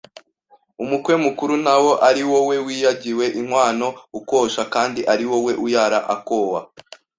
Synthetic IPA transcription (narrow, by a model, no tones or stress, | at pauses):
umukwe̞mukuɾunawo̞ʔaɾiwo̞we̞wiːjaɟiwe̞ʔimwaːno̞ukoːʃakaːndiʔaɾiwo̞we̞ʔujaɾaʔakowa̰